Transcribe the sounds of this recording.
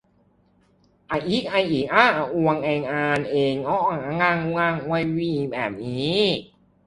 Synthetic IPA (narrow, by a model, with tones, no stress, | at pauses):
ʔa˨˧˩ʔi˦˥˩k̚ʔa˧˩jʔiː˨˦k̚ʔaː˧˥˩ʔa˨˩ʔu˧ɐ˧ŋʔɛː˧ŋʔaː˧nʔeː˧ŋʔɔ˦˥ʔa˧˩ŋʔa˧ŋa˧˩ŋu˧ŋa˧˩ŋ˧wa˧jwiː˧iː˨˩bɛ̰ː˨˩p̚niː˦˥